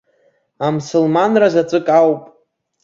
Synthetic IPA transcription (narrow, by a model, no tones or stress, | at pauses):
amsʊlmanrazat͡sʼɨkʼawpʼ